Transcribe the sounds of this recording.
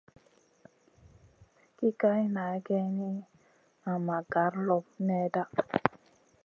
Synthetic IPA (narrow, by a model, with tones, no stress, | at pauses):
ki˦ka˦jna˨˦ɡɛ˦ni˦ | a˨ma˨ɡa˨˦ɾlɔ˦p̚ne˦da˦